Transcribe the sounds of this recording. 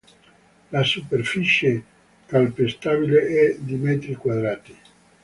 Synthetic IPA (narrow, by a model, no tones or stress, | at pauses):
lasuperfit͡ʃe | kalpest̪aːbileʔɛd̪imɛt̪ɾikwad̪ɾaːt̪i